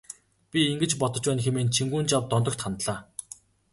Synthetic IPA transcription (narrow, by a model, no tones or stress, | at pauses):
pʲiiŋɡɘ̆t͡ɕpɔt̪ɞ̆t͡ɕpæːnxemeːnt͡ɕʰiŋɡuːnt͡ɕawt̪ːɔnt̪ɞ̆kt̪χant̪ɮaː